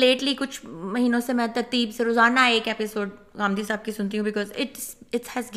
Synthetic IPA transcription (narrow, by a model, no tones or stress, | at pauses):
leːʈlikʊt͡ʃʰmɐɦiːnõsemɛ̃t̪ɐɾt̪iːbseɾoːzaːnaeːkeːpɪsoːɖ̚ | ɣaːmd̪isaːb̚kisʊnt̪̬iɦũbɪkɔːzɪʈsɪʈhɛzɡ